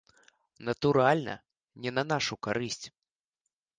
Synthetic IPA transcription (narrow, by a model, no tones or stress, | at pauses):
nɐt̪uɾalʲnɐ̰ | nʲɛnɐnaʂukaɾɨsʲt͡sʲ